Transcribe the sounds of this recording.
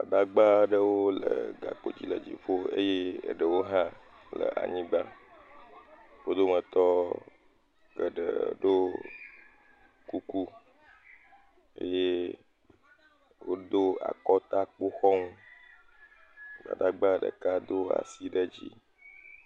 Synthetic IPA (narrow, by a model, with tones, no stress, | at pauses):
a˨ɖa˦ɡ͡ba˦ɖə˦wo˦lə˨ɡa˨k͡po˨d͡ʑḭ˦lə˨d͡ʑḭ˨ɸo˦e˦jḛ˦˨ɖə˨wo˦ɦã˦ | lə̰˨ʔa̰˨ɲĩ˦ɡ͡ba˦ | wo˦d̪o˦mə˨t̪ɔ˦ | ɡə˨ɖə̰˨ɖo˦ | ku˦ku˦ | ḛ˦je˦ | wo˦d̪o˦a̰˨kɔ˦t̪a˦k͡po˦xɔ˦ŋu˦ | la̰˨ɖa˦ɡ͡ba˦ɖə̰˨ka˦d̪o˦a̰˨si˦ɖə˦d͡ʑi˦